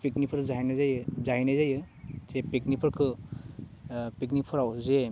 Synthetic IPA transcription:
piknipʰɯɾzajnazajɯzaɦinajzajɯ | zepiknipʰɯɾkʰɯ | piknik̚pʰɯɾawze

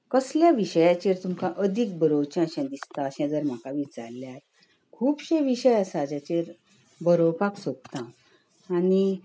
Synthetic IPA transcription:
kəsljaʋiɕəjat͡ɕeɾt̪umkãʔəd̪ʱik̚bʱəɾowt͡ɕãəɕãd̪ist̪aəɕɛ̃d͡zəɾm̤akaʋit͡saɾljaɾ | kʰuːpɕẽʋiɕəjasad͡ʑat͡ɕeɾ | bəɾowpaksot̚t̪ãw | ani

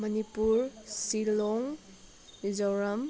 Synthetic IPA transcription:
mɐnipuɾsilɔŋ | id͡ʒawɾɐm

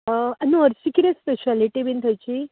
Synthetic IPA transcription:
əɐnoəɾt͡ɕikiɾespeɕaliʈibint̪ʰəjt͡ɕi

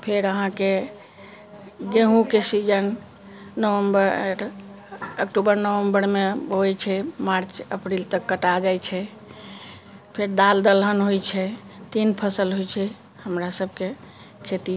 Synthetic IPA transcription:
pʰeɾəɦãke | ɡeɦũkesid͡ʒənː | əwəmbəɾ | əkʈubəɾnəʋəmbəɾmeojt͡ʃʰɛmaɾt͡ʃəpɾilt̪əkːəʈad͡ʒajt͡ʃʰɛ | pʰeɾd̪ald̪əlɦənɦojt͡ʃʰɛt̪inpʰəsəlɦojt͡ʃʰɛ | həmɾasəbʱke | kʰet̪i

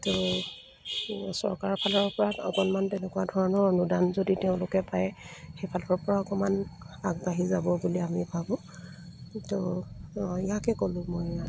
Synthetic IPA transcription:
to | sɔ̰ɹkaɹɔpʰalɔɹpɔɹatɔ̰kɔnmantɛnɛkuwadʱɔɹɔnɔɹnudanzoditɛʊ̃lʊkɛpajɛxejpʰalɔɹpɔɹaɔkɔman | aɡ̚baɦizabɔbuliamibʱabɔ̃ | to | ijakɛkolʊ̃moja

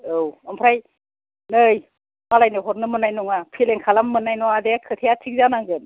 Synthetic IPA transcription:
ɯwɯmpʰɾaj | nɯj | malajnɯɦɔɾnɯmɯnajnuŋapʰileŋkʰalamːɯnajnɔadekʰɯt̪ʰejatʰik̚zanaŋɡɯn

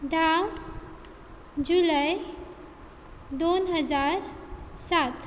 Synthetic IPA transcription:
d̪ʱam | d͡ʑuləj | d̪onɦəd͡zaɾsat̪

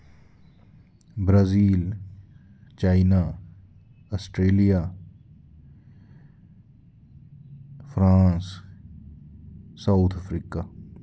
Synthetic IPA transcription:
bɾaːziːl | t͡ʃaːɪna | ɐsʈɾeːlija | fɾãːns | saʊt̪ʰəfɾiːka

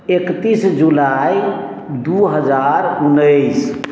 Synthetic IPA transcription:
ekt̪isd͡ʒulaj | d̪uɦəd͡ʒaɾunːəɪs

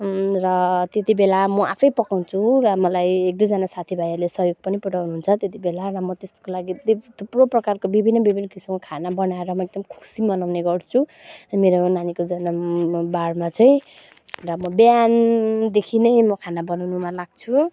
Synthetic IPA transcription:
rʌt̪et̪ibelamʌʔa̰pʰʌjpʌkaw̃t͡sʰurʌmʌlajek̚d̪ud͡zanasat̪ʰibʱajʌrlesʌɦjoɡ̚pʌnipuɽawnuɦunt͡sʰʌt̪et̪ibelaɾʌmʌt̪est̪o̥kolaɡid̪it̪ʰuproprʌkarkobibʱinːʌbibʱinːʌkisimokʰanabʌnaeɾʌmʌeɡ̚d̪ʌmkʰu̥simʌnawneɡʌrt͡sʰumeɾonanikod͡zanabaɽmat͡sʌĩ | rʌmʌbjand̪ekʰinʌjmʌkʰanabʌnawnumalaɡ̚t͡sʰu

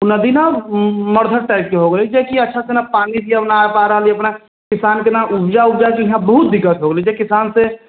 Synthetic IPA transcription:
nəd̪inaɔməɾd̪ʱəɾʈaːɪp̚keɦoɡəled͡ʒekiɐtːʃʰasenapaːnid̪ʱiəpnapaːɾəɦliɐpna | kɪsaːnkenaʔʊbd͡ʒaʊbd͡ʒakiɦãbəɦʊt̪̚d̪ɪkːət̪ɦoɡəlid͡ʒekɪsaːnse

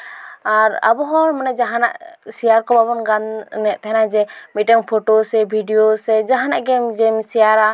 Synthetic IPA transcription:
aɾa̰bɔɦɔlmanɛd͡ʒaɦanaʔsijaɾkɔbaβɔnɡannɛʔt̪ʰɛɦnad͡ʒɛmit̪̚ɛŋpʰoʈosɛbʱiɖijosɛd͡ʒaɦanaʔɡɛmd͡ʒɛmsijaɾa

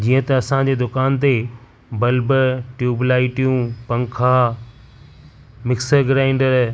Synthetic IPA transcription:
d͡ʑiːə̃t̪ɐɐsãd͡ʑeːd̪ʊkaːnt̪e | bɐlbəʈjuːblaːiʈijũpɐ̃ŋkʰaː | mɪksəɡɾaːɪ̃ɳɖəɾ

